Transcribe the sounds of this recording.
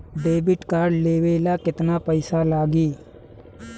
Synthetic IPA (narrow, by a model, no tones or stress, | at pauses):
ɖeːbɪʈkaːɾɖleːʋeːlaːkɪt̪naːpəɪsalaːɡiː